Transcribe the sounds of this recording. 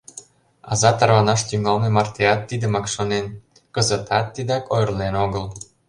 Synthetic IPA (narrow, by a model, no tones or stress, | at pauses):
ɑ̰zɑt̪ɑrβɑnɑʃt̪yŋɑlmemɑrt̪eɑt̪ːid̪ə̆mɑkʃonen | kə̆zə̆t̪ɑt̪ːid̪ɑkojrlenoɣəl